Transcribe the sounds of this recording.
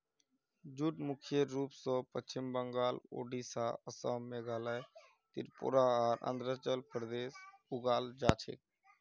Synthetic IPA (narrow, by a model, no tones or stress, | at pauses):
d͡ʒuʈmʊkʰjeɾuːpsoːpət͡ʃɪmbəŋɡaːlo̰ːɖiːsaːəsəːmeːɡaːlaːj | t̪ɪ̰ɾpʊ̰ɾaːaːɾʔə̰nd̪ʱɾət͡ʃəlpɾd̪eːsʊɡaːld͡ʒaːt͡ʃʰḛk̚